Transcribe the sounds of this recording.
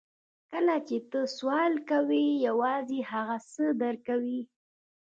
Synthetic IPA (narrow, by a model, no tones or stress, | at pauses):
kəlat͡ʃet̪əswɑlkawijawɑzehaɣasəd̪əɾkawi